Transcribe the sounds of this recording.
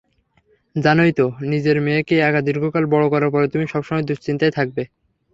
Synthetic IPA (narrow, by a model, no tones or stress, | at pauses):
d͡ʑanojt̪onid͡ʑeɾmeekejaɡad̪iɾɡʱokalbɔɽokɔɾaɾpɔɾet̪umiʃɔbʃɔmɔjd̪uʃt͡ɕint̪ajt̪ʰak̚be